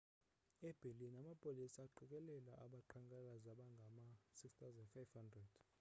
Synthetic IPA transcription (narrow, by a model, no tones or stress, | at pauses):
ɛb̥ʱelinamapʼolisaːǃʱɛk̬ʼɛlɛlaʔaɓaǃʰaŋkʼɛlazaɓaŋɡʱamasikst̪awzɛndfajvhandrɛd̥